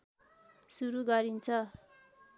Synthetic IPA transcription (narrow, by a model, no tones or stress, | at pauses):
suɾuɡaɾint͡sʰʌ